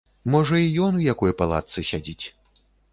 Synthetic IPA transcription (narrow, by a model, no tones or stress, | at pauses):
mɔʐɐijɔnujakɔjpalˠa̰t̪sɨsʲad͡zʲit͡sʲ